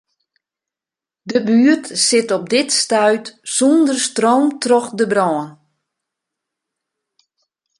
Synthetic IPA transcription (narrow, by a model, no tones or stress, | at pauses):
dəbyətsɪtɔb̚dɪtstœɥtsundərstrowmtrɔxdəbrɔːn